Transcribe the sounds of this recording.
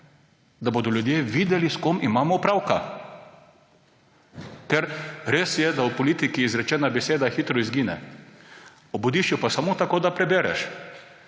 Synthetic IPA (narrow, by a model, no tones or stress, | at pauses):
d̪aboːd̪ɔljud̪jeːʋiːd̪ɛliskomimaːmɔupɾaːwka | t̪ɛɾɾeːsjɛd̪aupɔliːt̪ikiːzɾɛt͡ʃɛːnabɛseːd̪axit̪ɾɔizɡiːnɛ̰ | ɔbud̪iːʃt͡ʃjupasamoːt̪akoːd̪apɾɛbeːɾɛ̰ʃ